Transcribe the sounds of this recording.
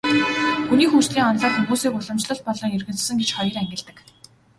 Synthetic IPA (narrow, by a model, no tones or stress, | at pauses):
xuniːxuːt͡ɕɮiːŋɔnɮɔːt̪nɵmuːsiːkʊɮɞ̆mt͡ɕɮə̆ɮ̚pɔɮɞ̆ːŋerɣɘ̆nt͡s̆sɘ̆ŋɡet͡ɕχɔjɞ̆ræŋɡʲɪ̆ɮt̪ɘ̆k